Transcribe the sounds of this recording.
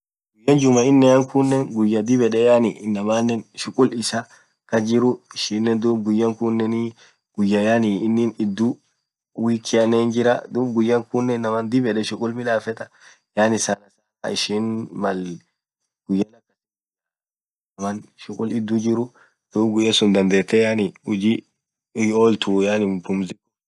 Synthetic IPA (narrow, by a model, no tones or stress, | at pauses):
ɡ̥ʊjːɐnd͡ʒʊmɐɪnːɐjɐŋkʊnːɛnɡʊjːɐd̪ɪbɛᶑɛjaːnɪɪnːɐmaːnːɛnʃʊkʼʊlɪsɐ | kɐd͡ʒɪɾʊɪʃiːnːɛnd̪uːbɡʊjːɐŋkʊnːɛnɪ | ɡ̥ʊjːɐjaniɪnːɪnɪd̪ːu | wiːkːɪɐneːnd͡ʒɪɾɐd̪uːbɡʊjːɐŋkʊnːɛnːɐmɐnd̪ɪbɛᶑɛʃʊkʼʊlmɪlaːfɛt̪ʼɐ | jaːnɪsɐnɐsa̰ | ɪʃinmɐl | ɡ̥ʊjːɐlɐkːɐɪ | nɐmɐnʃʊkʼʊlɪd̪ːud͡ʒɪɾʊ | d̪̥uːbɡʊjːɐsʊnd̪ɐnd̪eːt̪ːɛjaːnɪʊd͡ʒi | oːlt̪ujaːnɪbʊmzɪkʊ